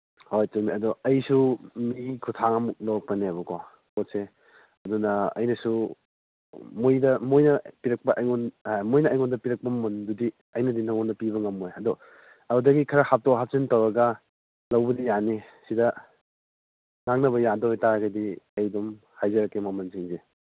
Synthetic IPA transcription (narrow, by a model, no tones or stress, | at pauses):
hojtuŋmiɐdɔɐjsumikʰutʰaŋɐmuk̚lok̚pɐnebɐkʰo | kotse | ɐdunɐɐ̰jnɐsu | mojdɐmojnɐpiɾɐk̚pɐʔɐjŋɔnmojnɐːjŋɔndɐpiɾɐk̚pɐmundudi | ɐjnɐdintʰaŋɔndɐpiβɐŋɐmojɐdɔ | ɐdɐɡikʰɐɾɐhap̚tɔkɦap̚sentɐwɾɐɡɐ | lɐwbɐdijanisidɐ | ŋaŋnɐβɐjadɔojtaɾɡɐdiɐjdɔm | hajzɐɾɐkːemamɐnsiŋze